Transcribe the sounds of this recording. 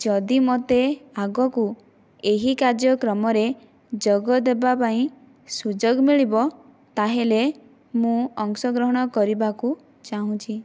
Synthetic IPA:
d͡ʒɔd̪imot̪eaɡɔku | eɦikaɾd͡ʒjɔkɾɔmɔɾe | d͡ʒɔɡɔd̪ebapaĩ | sud͡ʒoɡmiɭibɔ | t̪aɦele | mũɔŋsɔɡɾɔɦɔɽ̃ɔkɔɾibaku | t͡ʃaɦũt͡ʃʰi

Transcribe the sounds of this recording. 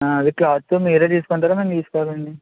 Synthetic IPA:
aɐd̪iklaːt̪ːumiːɾɐt̪iːsu̥kuɳʈaːɾɐmɐnt̪iːsu̥kaːɾuɐɳɖi

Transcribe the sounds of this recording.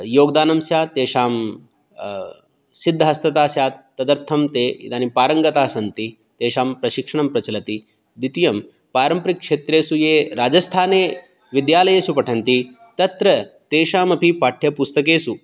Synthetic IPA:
joːɡd̪aːnɐmsjaːt̪eːʂaːm | sid̪ʱːɐɦɐst̪ɐt̪aːsjaːt̪ɐd̪ɐɾt̪ʰɐmt̪eːanipaːɾɐŋɡɐt̪aːsɐnt̪i | t̪eːʃaːmpɾɐʃikʂɐɳ̃ɐmpɾɐt͡ʃɐlɐt̪i | d̪it̪ijɐm | paːɾɐmpɾikːʂeːt̪ɾeːsujeːɾaːd͡ʒɐst̪ʰaːneː | ʋid̪jaːlɐjeːsupɐʈʰɐnt̪i | t̪ɐt̪ɾɐt̪eːʃaːmɐpipaːʈʰːjɐpust̪ɐkeːsu

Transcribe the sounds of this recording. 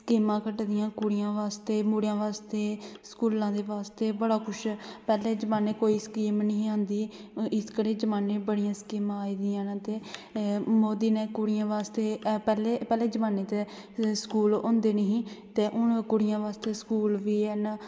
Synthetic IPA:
skiːmãːkəʈd̪ɪjãːkʊɽɪjãːʋaːst̪eːmuɽjãːʋaːst̪eːskuːlãːd̪eːʋaːst̪eːbəɽaːkʰʊt͡ʃʰpɛːleːd͡ʒəmaːneːkoːiːskiːmnəɦĩãːnd̪iː | ɪskəɾeːd͡ʒəmaːneːbəɽɪjãːskiːmãːiːd̪ɪjãːnãːt̪eː | moːd̪iːneːkʊɽɪjãːʋaːst̪eːpɛːleːpɛːleːd͡ʒəmaːneːt̪e | skuːlõːnd̪eːnəɦĩːt̪eːʔʊnkʊɽɪjãːʋaːst̪eːskuːlʋiːɛːna

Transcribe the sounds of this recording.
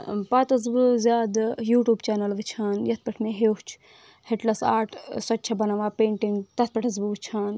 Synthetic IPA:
paːt̪ɐzbɨzʲaːd̪juːʈjuːbt͡ʃaːnɐlʋɨt͡ʃʰaːnjɐt̪̚ʰpɐʈʰmeɦeːɦt͡ʃʰ | heʈlɐsa̰ːʈʰsɐtːt͡ʃʰɐbɐnaʋaːpeːɳʈiŋɡt̪ɐt̪̚pɐʈʰɐzbuʋɨt͡ʃʰaːn

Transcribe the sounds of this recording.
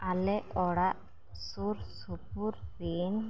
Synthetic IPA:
alɛɔɽaʔ | suɾsupuɾben

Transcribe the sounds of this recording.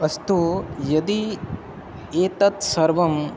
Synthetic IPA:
ɐst̪ujɐd̪i | eːt̪ɐt̪sɐɾʋɐm

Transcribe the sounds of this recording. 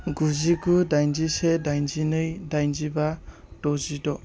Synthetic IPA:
ɡuziɡudajnd͡ʒisedajnzinɯjdajnziba | tɔzidɔ

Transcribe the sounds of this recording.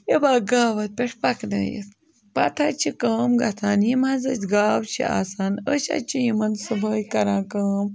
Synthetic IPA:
jebaːɡaːʋɐt̪̚pʲeʈʰpɐkdɐ̰ːjḭt̪ | pɐt̪ʰat͡ʃʰikəːmɡɐt̪ʰaːnjimɐzɐt͡ʃʲɡaːwt͡ʃʰḭa̰ːsaːnəʃa̰t͡ʃʰijimɐnsɨbʱəːjkɐɾãːkɐːm

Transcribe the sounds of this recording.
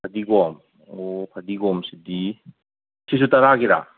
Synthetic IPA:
pʰad̪iɡɔm | opʰad̪iɡɔmsid̪i | sʰis̬ut̪aɾaɡiɾa̰

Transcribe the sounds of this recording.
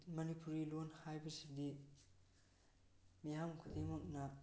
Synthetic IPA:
mɐnipuɾilonhajbɐsidi | mijamkʰud̪emok̚nɐ

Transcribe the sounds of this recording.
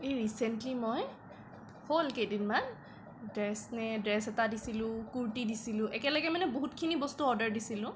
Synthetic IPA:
eɹisɛntlimɔj | holkejdinman | dɹɛsnɛdɹɛsɛtadisilʊ̃kuɹtidisilʊ̃ʔɛkɛləɡɛmanɛboɦutkʰinibɔstuɔɹdəɹdisilʊ̃

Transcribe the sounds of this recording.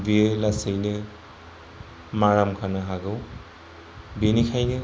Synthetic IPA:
bielasejnɛ | maɹamkʰanaɦaɡɯ | binikʰajnɛ

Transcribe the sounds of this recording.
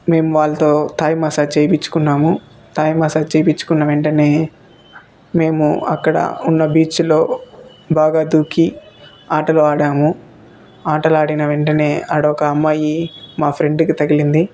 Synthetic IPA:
me̞ːmuʋaːɭːɐt̪o̞ːt̪aːjmɐsat͡ʃejpit͡ʃːu̥kunːaːmu | t̪aːjmɐsaːt͡ʃeːjpit͡ʃːu̥kunːɐʋe̞ɳʈɐne̞ː | me̞ːmuɐ̰kːɐɽɐ̰unːɐbiːt͡ʃlo̞ː | baːɡaːd̪uːki | aːʈɐloːaːɽaːmu | aːʈɐlaːɽinɐʋe̞ɳʈɐne̞ːɐɽɔkɐːmːaːjimaːpʰɾe̞ɳɖkit̪ɐɡilind̪i

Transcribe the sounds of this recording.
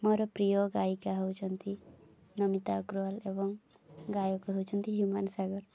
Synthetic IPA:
mɔɾɔpɾiɔɡaikaɦəwt͡ʃʰɔnt̪ʰi | nʌmit̪akɾuɔlebɔŋ | ɡajɔkaɦowt͡ʃʰɔnt̪iɦjumansaɡɔɾ

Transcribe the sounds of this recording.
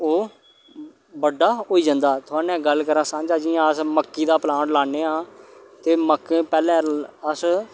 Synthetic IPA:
oː | bəɖaːoːiːd͡ʒãːnd̪aːt̪ʰʊaːnɛ̃ːɡəlkəɾãːsãːd͡ʒaːd͡ʒijãːəsməkːiːd̪aːplãːʈlaːɳeːãː | t̪eːməkːẽːpɛːlɛ̃ːəs

